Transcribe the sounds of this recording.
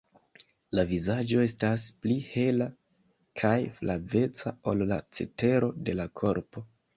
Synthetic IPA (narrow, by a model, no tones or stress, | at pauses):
lavizad͡ʒo̞e̞stasplihe̞la | kʰajflave̞t͡sao̞lːat͡se̞̰te̞ɾo̞de̞lakʰo̞ɾpo̞